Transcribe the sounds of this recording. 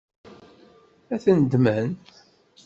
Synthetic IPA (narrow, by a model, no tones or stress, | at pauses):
æθənd̪mən